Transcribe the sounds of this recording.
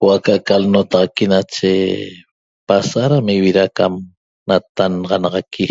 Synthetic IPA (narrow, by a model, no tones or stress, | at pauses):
wakaʔkalnot̪ɑʁɑkinat͡ʃe | pasaɾamiwiɾakam | nat̪anʁɑnɑʁɑkʰi